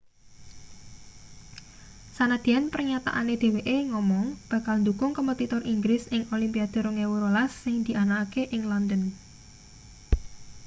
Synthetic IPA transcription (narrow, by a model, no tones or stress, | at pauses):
sanad̪̥i̤anpərɲat̪a̰ʔaned̥̪e̤weʔeŋɔmɔŋb̥ä̤kalnd̪ukʊŋkəmət̪it̪ɔrʔiŋɡɾɪsɪŋolimpiad̪̥ə̤ɾoŋewuɾolasːɪŋd̪̥i̤ʔanaːkeʔɪŋlɔnd̪ən